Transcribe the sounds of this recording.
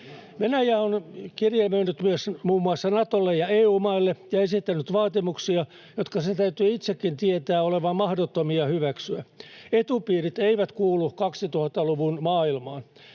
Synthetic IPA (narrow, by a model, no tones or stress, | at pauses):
ʋenæjæonkirjemenːyt̪myøsmuːmːuɑsːɑnɑt̪olːejɑeːuːmɑilːejɑesit̪ːænyt̪ʋɑːt̪imuksiɑ | jot̪kɑset̪æyt̪yːit̪sekːint̪iet̪æːoleʋɑmmɑhdot̪ːomiɑhyʋæksyæet̪upiːrit̪eiʋæt̪kuːlˑukɑksit̪uhɑt̪ːɑluʋunmɑːilmɑːn